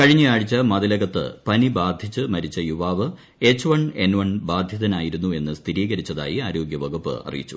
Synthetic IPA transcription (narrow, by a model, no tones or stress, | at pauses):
kɐɻiɲːɨjaːɻit͡ɕːɐmɐðɐlɐɣɐt̪ːɨ̰pɐnibaːd̪ʱjit͡ɕːɨmɐɾit͡ɕːɐjuʋaːʋɨ | et͡ɕːɨʋɐɳe̞nʋɐɳbaːd̪ʱjɐðɐnaːjiɾunːue̞nːɨst̪ʰiɾiːɣɐɾit͡ɕːɐða̰ːjiaːɾo̞ːɡjɐʋɐɡupːɨ̰ɐ̰rḭjit͡ɕːu̥